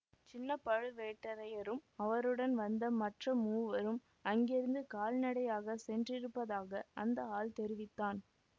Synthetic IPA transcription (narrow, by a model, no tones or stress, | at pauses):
t͡ʃɪnːɐpɐɻɯʋeːʈːɐɾɐjɐɾɯmɐʋɐɾɯɽɐnʋɐnd̪ɐmɐʈrɐmuːʋɐɾɯm | ɐŋɡɛɾɯnd̪ɯkaːlnɐɽɐjaːɣɐsɛndrɪɾɯpːɐðaːɣɐɐ̰nd̪ɐaːlt̪ɛɾɪʋɪt̪ːaːn